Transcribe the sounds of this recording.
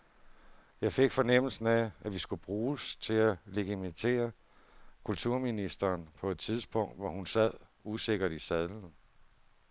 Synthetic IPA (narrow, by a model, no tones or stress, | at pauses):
jɑ̈ɪfe̝ɡ̥fɒ̽nem̰l̩sn̩ææʋisɡ̥ub̥ʁuːst͡sʰe̝læle̝ɡ̥emit͡sʰe̝̰ːɐ | kʰult͡sʰuɐ̰minisd̥ɐːnpʰɒ̽e̝d̥t͡sʰiðˠsb̥ɔ̽ŋ̰d̥ʋɒhunsæð̰ˠuse̝ɡ̥ɐɾ̥isæðˠln̩